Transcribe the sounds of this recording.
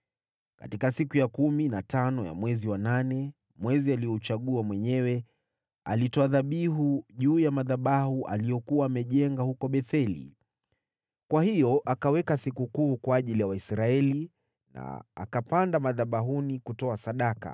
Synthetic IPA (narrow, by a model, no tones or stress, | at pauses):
ka̰tikasikujakuminatanɔja̰mwɛziwananɛ | mwɛzialijɔut͡ʃaɠuamwɛɲɛwɛ | a̰litɔaðaɓiɦuʄuːjamaðaɓahuʔa̰lijɔkuwaːmɛʄɛŋɡahukɔɓɛθɛlḭ | kwahijɔʔakawɛkasikukuːkwaːʄilijawaisɾaɛli | na̰a̰kapandamaðaɓaɦunikutɔasaɗaka̰